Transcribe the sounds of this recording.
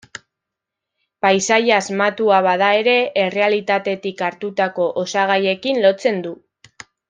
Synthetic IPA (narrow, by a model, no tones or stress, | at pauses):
pajsajaːzmat̪uaβaðae̞ɾe̞ere̞alit̪at̪e̞t̪ikaɾt̪ut̪ako̞ʔosaɣ̞aje̞kinlo̞t͡se̞nd̪u